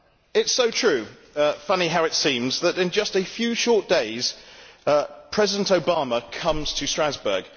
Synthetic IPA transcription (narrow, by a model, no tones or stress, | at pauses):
ɪtsəʊtʰɹ̥ʉː | fʌniɦaʊɨtsĩːmzðəɾɪ̃nd͡ʒʌstəfjʉːʃɔˑʔ̚d̥eɪz̥ | pʰɹ̥ɛzɪdə̃ntəʊbɑːməkʰʌ̃mz̥tʰəstɹ̥azbə̰ːɡ̥